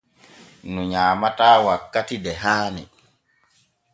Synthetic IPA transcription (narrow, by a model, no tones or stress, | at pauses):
nuɲaːmataːwakːatidɛɦaːnɛ